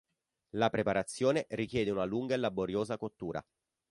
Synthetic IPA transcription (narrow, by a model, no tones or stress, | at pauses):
lapɾepaɾat̪sːjoːnerikjɛːd̪eunaluŋɡaelːaboɾjoːzakot̪ːuːɾʔa̰